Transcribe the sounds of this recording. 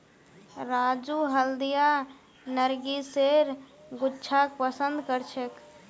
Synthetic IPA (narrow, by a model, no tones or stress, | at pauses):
ɾad͡ʒuɦəld̪ija | nəɾɡiseɾɡʊtːt͡ʃʰak̚pəsənd̪kəɾt͡ʃʰek